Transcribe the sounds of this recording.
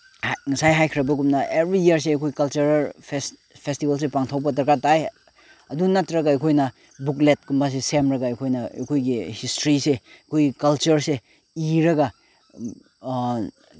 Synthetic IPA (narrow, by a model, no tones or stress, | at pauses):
hŋɐsajɦajkʰiɾɐbɐɡumnɐebɾiiɐɾs̬eɐjkʰojkɐlt͡ʃuɾpʰes | pʰestibɐls̬epaŋtʰawbɐt̬ɐɾkataj | ɐdunatɾɐɡaɐjkʰojnɐ | buklet̚kumbas̬esemɾɐɡaɐkʰojnɐɐ̰kʰojɡihistɾiseɐkʰojɡikɐlt͡ʃɐɾse | iɾɐɡa